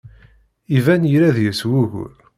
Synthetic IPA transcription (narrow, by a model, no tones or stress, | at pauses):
ivænjɾæðjəswuʝ̰